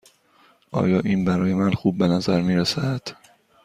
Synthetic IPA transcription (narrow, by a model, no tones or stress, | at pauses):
ʔɒ̰ːjɒːʔiːnbæɾɒːje̞mænxuːbːe̞næzæɾmiːɾesæd̪̥